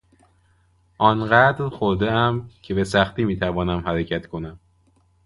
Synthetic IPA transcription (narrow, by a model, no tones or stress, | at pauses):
ʔɒːnɢæd̪ɾxoɾd̪eæmcʰe̞be̞sæxt̪iːmiːt̪ʰævɒːnæmhæɾecʰæt̪kʰo̞næm